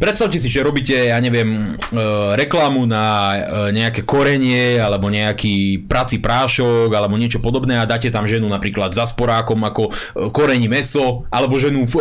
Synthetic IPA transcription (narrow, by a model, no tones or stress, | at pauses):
pɾɛt̪st̪aʊcɛsiʒɛɾɔbicɛjaːɲɛʋɪɛm | ɾɛklamunaɲɛakɛkɔɾɛɲɪɛalɛbɔɲɛakiːpɾat͡sipɾaːʃɔɡalɛbɔɲɪɛt͡ʃɔpɔd̪ɔbnɛːad̪aːcɛt̪amʒɛnunapɾiːklad̪zaspɔɾaːkɔmakɔkɔɾɛɲimɛsɔʔalɛbɔʒɛnuf